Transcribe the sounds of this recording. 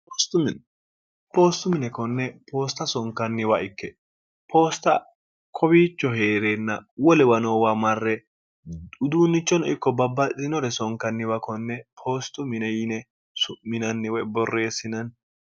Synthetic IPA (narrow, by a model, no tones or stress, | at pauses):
pɔst̪ʊmɪn | poːst̪ʊmɪnɛkɔnːɛpo̞ːst̪ɐsɔŋkːɐnːɪwɐɪkːɛ | pʰo̞ːst̪ɐ | kʰɔbiːt͡ʃːɔɦe̞ːɾeːnːɐ̰wɔlɛwɐnowaːmɐrːɛ | ʊd̪uːnːɪt͡ʃːɔnɔʔɪkːɔbɐbːɐzɪnɔɾɛsɔŋkːɐnːɪwɐkɔnːɛpʰo̞ːst̪ːʊmɪnɛjɪnɛ | sʊmmɪnɐnːɪwɔjbɔrːe̞ːsɪnɐn